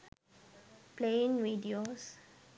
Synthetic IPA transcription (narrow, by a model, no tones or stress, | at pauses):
pleɪ̃nɹidioz